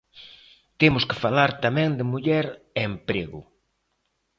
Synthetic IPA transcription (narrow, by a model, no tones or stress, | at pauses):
t̪emʊskɪfalaɾt̪amɛ̃ŋd̪ɪmuʎɛɾ | empɾeɣʊ̰